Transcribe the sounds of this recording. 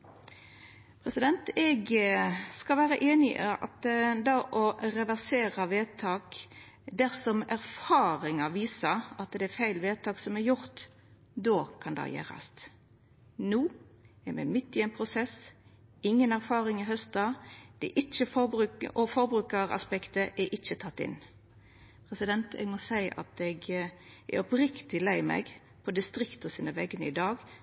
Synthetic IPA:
pʰɾɛsɪd̪ɛnt̪ɛɡ | skɑlʋæːʁəʔeːnɪʔɑ̰t̪d̪ɑːʔɔʁɛʋæʁseːʁɑʋeːt̪ʰɑːk | d̪æʁsɔmæɾfɑːʁɪŋəʋiːsəʁɑt̪d̪ɛæfæɪlʋeːt̪ʰɑːksɔmæɾjʊʁt̪ | d̪oːkʰɑnd̪ɑ̰jæ̰ːʁɑ̰st̪ | nuː | ɛmɛ̰mɪt̪ːɪɛnpʰʁʊsɛs | ɪŋːənæɾfɑːʁɪŋɪɦœst̪̚d̪ɑːd̪̥ɛɛ̰ʔɪt͡ʃːəfɔbɾʉʔɔfɔɾbɾʉːkəɾɑ̰spɛkt̪əʔɛʔɪt͡ʃːət̪ʰɑt̪ːɪ̰n | pʰʁɛsɪd̪ɛnt̪ʰɛ̰ɡmɔsæɪʔɑ̰t̪ɛɡɛ̰ɾɔpɾɪkt̪ɪlæɪmɛ̰ɡ | pʰɔd̪ɪst̪ɾɪkt̪ɔsiːnəʋɛɡənəɪd̪ɑːɡ

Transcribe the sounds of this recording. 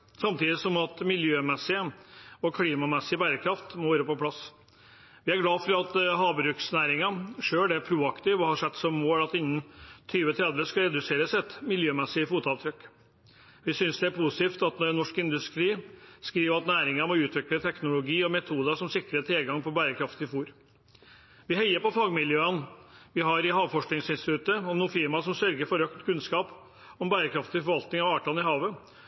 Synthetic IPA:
sɑmt̪iːd̪ɪsɔmɑt̪mɪljøːmɛsːɪəɔkʰliːmɑmɛsːɪbæːɾəkʰɾɑft̪mɔʋæːɾəpɔpʰlɑs | ʋɪæɾɡlɑːfɔɾɑt̪ɦɑːbɾʉːksnæːɾɪŋɑʂøːlɖ̪ɛæpʰɾuːɑkt̪ɪʋɔhɑʂɛt̪ːsɔmːoːlɑt̪ɪnːənt̪ʰyːʋət̪ʰɾɛd̪ʋəskɑɾɛd̪ʉseːɾəsɛt̪mɪljøːmɛsːɪəfuːt̪ɑʋt̪ʰɾʏkː | ʋɪsʏnsd̪ɛæɾpʰuːsɪ̥t̪iːft̪ɑt̪nɔɾnːɔʂkɪnd̪ʉst̪ɾiːskɾiːʋəɾɑt̪næːɾɪŋəɾmɔʉːt̪ʰʋɪklət̪ʰɛknʊlʊɡiːɔmɛt̪ʰuːd̪əʂɔmsɪkɾət̪ʰɾɛlɡɑŋpɔbæːɾəkʰɾɑft̪ɪfuːɾ | ʋɪɦɛɪəɾpɔfɑːɡmɪljøːənʋɪɦɑɾɪɦɑːʋfɔʂknɪŋsɪnst̪ɪt̪ʉt̪ːəɔmnuːfɪɾmɑsɔmsœɾɡəɾfɔɾœkt̪kʰʉnskɑːp | ɔmbæːɾəkʰɾɑft̪ɪfɔɾʋɑlt̪nɪŋɑʋɑːʈʰɑːlnɪɦɑːʋə

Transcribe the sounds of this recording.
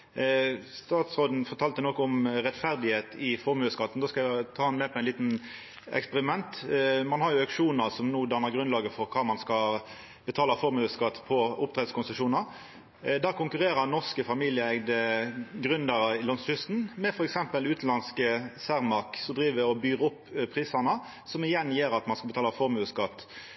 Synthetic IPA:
st̪ɑːt̪sʁoːd̪n̩fɔʁt̪ʰɑːlt̪ənɔkːɔɔmʁɛt̪fæʁd̪ɪheːt̪ʰɪfɔɾmøːskɑt̪ːn̩d̪oːskɑt̪ʰɑːɑnmɛːpʰɔɛɪnliːt̪n̩ | ɛ̰kspəʁɪmɛnt̪mɑnhɑʁjʊɑkʂuːnəʁsɔmnuːd̪ɑnːəʁɡʁʉnlɑːɡəfɔʁkʰɑːmɑnskɑ | b̥ət̪ʰɑːləfɔʁmøːskɑt̪ːpʰɔʊp̚t̪ʰʁeːd̪skʰʊnsəʂuːnəɾ | d̪æːkʊŋkʉʁeːʁənɔʁskəfɑmiːlɪəɛɡd̪əɡʁʉnd̪əɾəɪlɔnshʏst̪n̩mɛfɔɾɛksɛmpəlʉːt̪n̩lɑnskəsæʁmɑʁksɔmd̪ʁiːʋəɔbyːʁəʊpːpʰːʁiːsənə | sɔmɪjɛnːjeːɾɑt̪mɑnskɑbət̪ɑːləfɔʁmʉːskɑt̪ː

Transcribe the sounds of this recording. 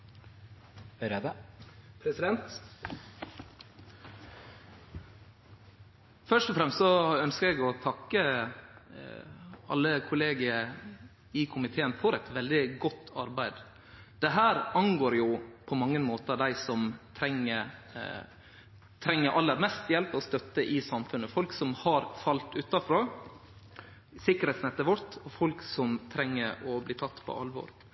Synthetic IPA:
ɾed̪əpʰɾɛsɪd̪ɛnt̪ | fœʂʈɔfɾɛmst̪sɔœnskəɾɛɡɔt̪ʰɑkːə | ɑ̰lːəkʰʊleːɡɪə | ɪkʰʊmɪt̪ʰeːənfɔɾɛt̪ʋɛld̪ɪɡɔt̪ʰːɑɾbæɪd̪ | d̪̥ɛɦæːɾɑnɡoːɾjʊpʰɔmɑŋːənmoːt̪əd̪æɪsɔmt̪ʰɾɛŋːə | t̪ʰɾɛŋːəɾʔɑlːəɾmɛst̪jɛlpɔst̪œt̪ːəʔɪsɑmfʉnːəfɔlksɔmhɑɾfɑlt̪ʉːt̪ːɑfɾɑː | sɪkːəɾheːt̪snɛt̪ːəʋɔɾt̪ɔfɔlksɔmt̪ʰɾɛŋːəɾɔbliːt̪ʰɑt̪ːpʰɔ̰ʔɑ̰lʋɔ̰ːɾ

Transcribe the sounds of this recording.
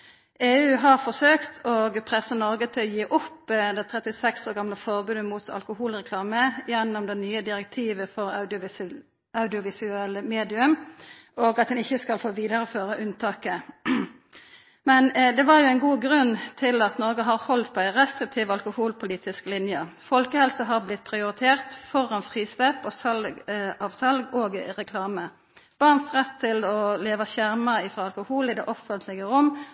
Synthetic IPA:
ʔeːʉːɦɑʁfɔsøːkt̪ʰɔɡpʰʁɛsːənɔʁɡət̪ʰɪlɔjiːʔʊpːd̪ɛt̪ʰɾɛt̪ɪsɛksoːʁɡɑmləfɔʁbʉːd̪əmuːt̪ʰɑ̰lkʊhuːlʁɛkʰlɑːməjɛnːɔmd̪ɛnyːəd̪ɪɾɛk̚t̪ʰiːʋəfɔʁɑɪ | ɑʉd̪ɪʊʋɪsʉɛlːəmeːd̪ɪʉm | oɡɑt̪̚d̪ɛnɪçːəskɑlfoːʋiːd̪əɾəføːʁəʔʉnt̪ʰɑːkə | mɛnd̪ɛʋɑʁjʊæɪnɡuːɡɾʉnt̪ʰɪlɑt̪nɔʁɡəɦɑʁhɔlt̪pʰɔæɪʁɛst̪ʁɪk̚t̪ʰiːʋɑlkʊhuːlpʰʊliːt̪ɪsklɪnjəfɔlkəhɛlsəɦɑʁblɪt̪pʰʁɪʊɾɪt̪ʰeːʁt̪fɔʁɑnfʁiːsʋeːpɔsɑlɑːʋsɑlɡoːɡʁɛkʰlɑːmə | b̥ɑʁnsʁɛt̪ʰːɪlɔleːʋɑʃæʁməɪfɾɑɑlkʊhuːlɪd̪ɛ̰ːʔɔfənt̪ʰlɪɡəʁʊmː

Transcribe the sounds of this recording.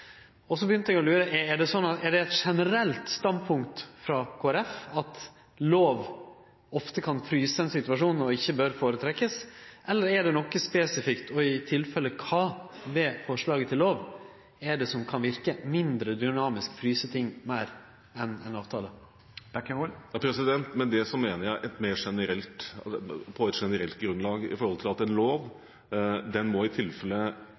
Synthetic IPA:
ɔsɔbəjʏnt̪əɛɡɔlʉːɾəʔɛɛɖɛsɔnːɑt̪ɛɖɛɛt̪ʂɛnəɾɛlt̪st̪ɑnd̪pʰʊŋkt̪fɾɑkʰoːæɾɛfɑt̪ | loːʋ | ɔft̪əkʰɑnfɾyːsəɛnsɪt̪ʉɑʂuːnn̩ɔɪçːəbøɾfoːɾət̪ʰɾɛkːəsʔɛlːəɾɛɖɛnɔkːəspeːsɪfɪkt̪ʰɔɪt̪ʰɪlfɛlːəkʰɑːʋeːfɔʂɭɑːɡət̪ʰɪlːoːʋ | ɛɖɛsɔmkʰɑnʋɪɾkəmɪnd̪ɾəd̪ʏnɑːmɪskfɾyːsət̪ʰɪŋːmæɪɾ | ɛnɛnɑːʋt̪ʰɑːlə̥ | jɑpʰɾɛsɪd̪ɛnt̪mɛnd̪ɛsɔmeːnəɾjæɪʔɛt̪meːɾʂɛnəɾɛlt̪ | pʰɔɛt̪ʂɛnəɾɛlt̪̚ɡɾʉnlɑːɡɪ̰fɔɾhɔlt̪ʰɪlɑt̪ɛnloːʋ | d̪ɛnmɔɪt̪ʰɪlfɛlːə

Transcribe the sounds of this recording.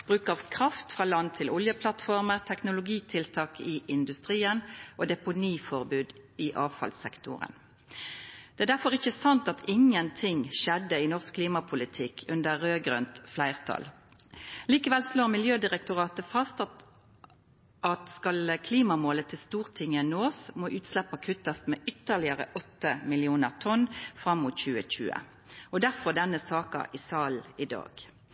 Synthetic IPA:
b̥ʁʉːkəɑʋkʰʁɑft̪fʁɑːlɑnt̪ʰɪlʊljəpʰlɑt̪fɔʁməʁt̪ʰɛknʊlʊɡiːt̪ʰɪlt̪ʰɑːkɪʔɪnd̪ʉst̪ʁiːənʔoːd̪ɛpʊniːfɔʁbʉːd̪ɪʔɑːʋfɑ̰lsɛ̰kt̪ʰʊ̰ʁə̰n | d̪̥ɛæd̪æfɔʁɪçəsɑnt̪ɑt̪ʰɪŋːənt̪ʰɪŋʃɛd̪ːəɪnɔʁskkʰliːmɑpʰʊlɪt̪ʰɪkʰːʉnd̪əʁʁøːɡʁœ̰nt̪flæɪʁt̪ʰɑ̰l | liːkəʋɛlsloːʁmɪljøːd̪ɪʁɛk̚t̪ʊʁɑːt̪əfɑst̪ɑ | ʔɑt̪skɑlkʰliːmɑmoːlət̪ʰɪlst̪uːʁt̪ʰɪŋːənoːsmoʔʉːt̪slɛpːɑkʰʉt̪ːəst̪mɛːʔʏt̪ːəʁlɪəʁə̰ʔɔt̪ːəmɪlɪuːnəʁt̪ʰɔnfʁɑmːʊt̪çʉːəc͡çʉ̰ːə̰ | ɔd̪æʁfɔʁd̪ɛnːəsɑːkɑ̰ʔɪsɑːl̩ɪd̪ɑ̰ːɡ̥

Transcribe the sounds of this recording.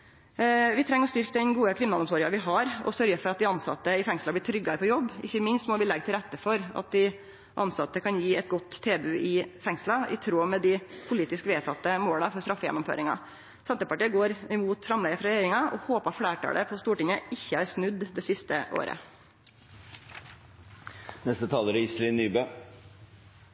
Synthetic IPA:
ʋɪt̪ʰɾɛŋːɾɔst̪ʏɾkəd̪ɛnɡuːəkʰɾɪmnɑnʊmt̪oːɾɪŋɑʋɪɦɑɾɔ̰sœɾɡəfɔɾɑt̪̚d̪ɪɑnsɑ̰t̪ːəɪfɛŋslɑblɪʈ̪ʰɾʏɡːɑpʰɔjɔbːʔɪ̰çːəmɪnst̪mɔʋɪlɛɡt̪ɪlɾɛt̪ːəfɔɾɑ̰t̪̚d̪ɪ | ʔɑnsɑt̪ːəkʰɑnjiːɛt̪̚ɡɔt̪ʰːeːbʉʔɪfɛŋslɑɪ̰t̪ʰɾoːmɛd̪ɪpʰʊliːt̪ɪskʋeːt̪ʰɑt̪ːəmoːləfɔɾst̪ɾɑfːəjɛ̰nːɔmfø̰ːɾɪŋɑ̰ | sɛnt̪əpɑʈiːəɡoːɾɪmuːt̪fɾɑmlɛɡəfɾɑɾɛjeːɾɪŋɑʔɔ̰hoːpəɑfɽæːʈʰɑ̰lə̰pʰɔst̪uːʈɪŋəʔɪçːəæɾsnʉd̪ːd̪ɛsɪst̪əʔo̰ːɾə̰ | nɛst̪ət̪ʰɑːləɾəɪslɪnːyːbøː

